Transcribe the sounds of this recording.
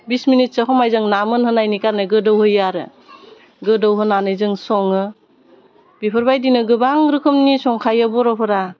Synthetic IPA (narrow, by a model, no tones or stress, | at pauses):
bisminit̚sɯɦɔmajzɯŋnamɯnhɯnajnikaɾnɯɡɯdowhɯjaɾɯ̰ | ɡɯdɔwɦɯnanɯjzɯŋsɔŋɯ | bipʰɯɾbajdinɯɡɯbaŋɾɯkʰɯmnisɔŋkʰajabɔɾɔpʰɯɾa